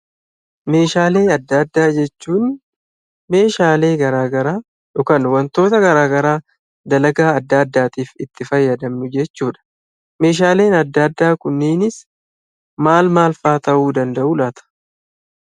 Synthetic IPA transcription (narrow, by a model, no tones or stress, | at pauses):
me̞ːʃaːle̞ːɐd̪ːɐd̪ːaːd͡ʒɛt͡ʃːuːn | me̞ːʃaːle̞ːɡɐɾaːɡɐɾaː | ᶑʊkɐnwɐnt̪o̞ːt̪ɐɡɐɾaːɡɐɾaː | d̪ɐlɐɡaːɐd̪ːɐd̪ːaːt̪iːfɪt̪ːɪfɐjːɐd̪ɐmnʊd͡ʒɛt͡ʃːuːᶑɐ̥ | me̞ːʃ̬aːle̞ːnɐd̪ːɐd̪ːaːkʊnːiːnɪs | maːlmaːlfaːt̪ɐʔuːd̪ɐnd̪ɐʔulaːt̪ɐ̥